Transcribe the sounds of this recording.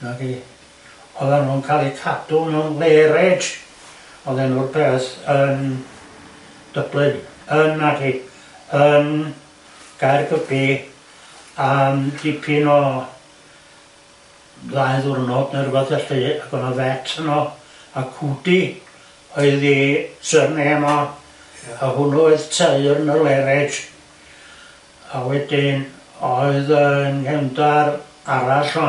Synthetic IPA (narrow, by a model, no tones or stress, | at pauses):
nari | ɔðanunkʰalˠikʰad̥ʊlˠmɛwnleːɾɛd | ɔðɛnurpʰeːsən | d̥əblˠɨd | ənːadi | ən | ɡ̥ajrɡəbi | adipʰinɔ | ðaɨðʊrnɔdnərbaθɛɬəaɡɔnɔðɛtʰənɔ | akʰudi | ɔɨðisərniɛmɔ | ahʊnɔɛɨðtʰeɨrnəlɛɾɛd | awɛdɪn | ɔɨðənkɛwndar | aɾaɬɔ